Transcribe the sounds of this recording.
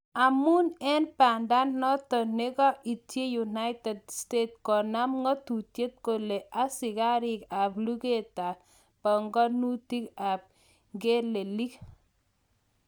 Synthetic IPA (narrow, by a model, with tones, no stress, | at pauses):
a˨mu˦nɛ˦npa˨nda˦nːɔ˦t̪ɔ˨ne˦ɡɔ˦ʔi˨tje˦ju˨na˦ɪtɛ˨dste˦t̪̚kɔ˨na˦mŋɔ˦t̪u˨tje˦t̪̚ko˨le˨ʔa˦sɪ˨ɡa˦ɾɪ˦ka˨blu˦ɡe˦ta˨ | pɔ˨ŋɡɔ˦nu˦t̪i˦ka˨p̚ | ɡe˦le˨li˦k